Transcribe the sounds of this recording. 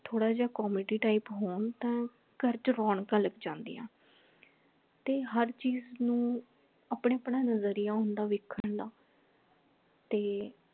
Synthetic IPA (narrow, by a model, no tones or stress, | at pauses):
t̪ʰoːɽaːd͡ʒaːkɔːmeːɖiːʈaːipɦoːɳt̪ɛ̃ː | kəɾt͡ʃɾɔːɳkãləkd͡ʒãːnd̪ḭːa̰ː | t̪eːɦəɾt͡ʃiːznũː | apɳeːəpɳãːnəzəɾijaːɦʊ̃nd̪aːʋɪkʰːəɳɖaː | t̪eː